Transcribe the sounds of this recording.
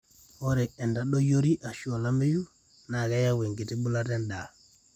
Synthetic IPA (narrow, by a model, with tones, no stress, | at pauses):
o˦ɾɛ˨ɛ˨nda˨ɗo˦jo˦ɾi˦ʔa˨ʃu˦o˨la˦me˦ju˦ | na˨ɡa˦ja˦we˨ŋɡi˨ti˦bu˦la˦tɛ˦nda˨